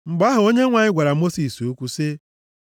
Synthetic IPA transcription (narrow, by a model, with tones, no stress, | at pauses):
ŋ͡m̩˨ɡ͡ba˦ɦʊ˨o˦ɲe˦ŋʷa˨ɲɪ˦ɡʷa˨ɾa˨˦mo˦si˨so˦kʷu˦sɪ˦